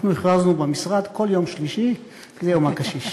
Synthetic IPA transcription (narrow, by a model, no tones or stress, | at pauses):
χnuiχʁaznubemisʁad̪ko̞ljo̞mʃliʃi | kzejomakaʃiʃ